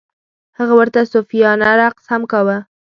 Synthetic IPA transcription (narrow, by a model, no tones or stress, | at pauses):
həɣawəɾt̪asofijɑnaɾaqshamkawə